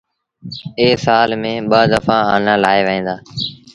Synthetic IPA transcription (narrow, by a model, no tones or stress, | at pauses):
eːsaːlmẽːɓəːd̪əfãːaːnãːlaːeːʋəẽːd̪aː